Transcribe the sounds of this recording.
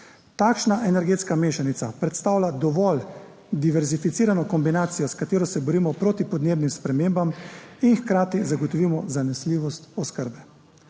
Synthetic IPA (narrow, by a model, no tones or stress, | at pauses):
t̪aːkʃnaʔɛnɛɾɡeːt̪skameːʃanit̪sapɾɛt̪st̪aːwlad̪ɔʋɔl | d̪iʋɛɾzifit̪iːɾanɔkɔmbinaːt̪sijɔskat̪eːɾɔsɛbɔɾiːmɔpɾoːt̪ipɔd̪neːbnimspɾɛmeːmbaminxkɾaːt̪izaɡɔt̪ɔʋiːmɔzanɛsliːʋɔst̪ɔskəɾbɛ